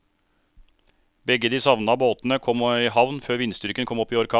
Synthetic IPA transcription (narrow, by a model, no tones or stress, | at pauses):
bɛɡəd̪iːsɑʋnəɑboːt̪n̩əkʰɔmiːɦɑʋnføːɾʋɪnst̪ʏɾkənkʰɔmɔpːiːɔɾkʰɑː